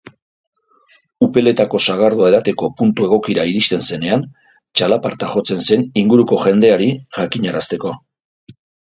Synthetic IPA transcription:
upe̞le̞t̪ako̞saɣ̞aɾð̞oaeðat̪e̞ko̞punt̪ue̞ɣ̞o̞kiɾaiɾist̪e̞nse̞ne̞an | t͡ʃalapaɾt̪axo̞t͡se̞nse̞niŋɡuɾuko̞ʝe̞nd̪e̞aɾiʝakiɲaɾast̪e̞ko̞

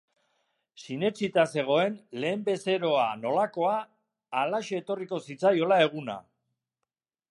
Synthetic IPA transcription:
sine̞t͡sit̪ase̞ɣ̞o̞e̞nle̞ːmbe̞se̞ɾo̞ano̞lako̞aː | laʃoet̪o̞riko̞sit͡sajo̞lae̞ɣ̞una̰

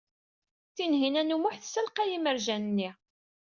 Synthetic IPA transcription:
θinɦinænumʊħθsælqæjiməɾʒænnːi

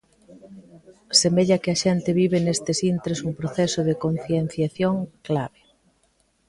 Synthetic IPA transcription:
semeʎɐkɪɐʃɛnt̪ɪβiβɪnest̪ɪsint̪ɾesumpɾoθɛsoðɪkon̟θjen̟θjaθjoŋklaβe

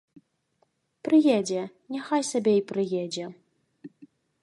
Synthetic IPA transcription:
pɾɨjɛd͡zʲɛ | nʲaxajsʲabʲɛipɾɨjɛd͡zʲɛ

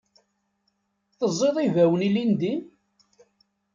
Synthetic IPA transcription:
θəzˤːeðˤivæwənilind̪i

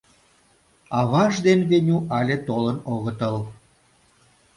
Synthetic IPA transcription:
ɑβɑʒd̪enβenʲuʔɑlʲet̪olənoɣət̪əl

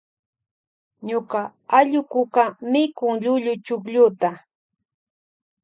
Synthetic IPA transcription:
ɲʊkaaʎʊkʊkamɪkʊŋʎʊʎʊt͡ʃʊkʎʊt̪a

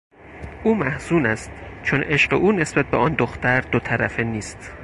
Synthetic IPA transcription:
ʔuːmæhz̥uːnæst̪t͡ʃʰonʔe̞ʃɢeʔuːne̞sbæt̪̚beɒnd̪oxt̪æɾd̪ot̪ʰæɾæ̰feniːst̪

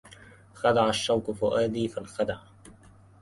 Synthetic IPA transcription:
xad̪aʕaʃːawkʊfʊʔaːd̪iːfalxad̪aʕ

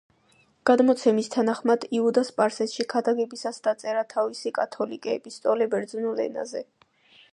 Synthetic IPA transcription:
ɡ̥ad̪mɔt̪sʰɛmist̪ʰanaχmad̪iud̪aspʼaɾsɛsʃikʰad̪aɡɛbisasd̪̥at̪sʼɛɾat̪ʰavisikʼat̪ʰɔlikʼɛːbist̪ʼɔlɛbɛɾd̪znulɛ̰na̰zɛ

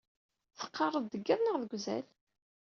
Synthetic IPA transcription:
θə̥qːɑrˤːəd̪əɡːæðˤnəʁðəɡʷzæ̰l

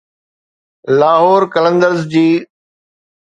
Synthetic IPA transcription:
laːɦoːɾkələ̃nd̪əɾzd͡ʑiː

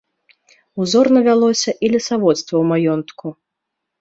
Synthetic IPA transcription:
uzɔrnɐvʲalˠɔsʲɐʔilʲisavɔt̪st̪vɐwmajɔnt̪ku

